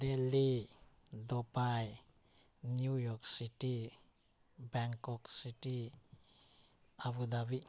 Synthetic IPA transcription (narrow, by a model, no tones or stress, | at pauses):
deli | dɔpaj | njujɔksiti | bɛŋkɔksiti | aβudabi